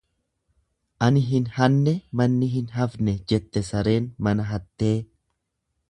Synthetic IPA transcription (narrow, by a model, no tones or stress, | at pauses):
ʔɐnɪɦɪnhɐnːɛmɐnːɪɦɪnɦɐfnɛd͡ʒɛt̪ːɛsɐɾe̞ːnmɐnɐɦɐt̪ːe̞ː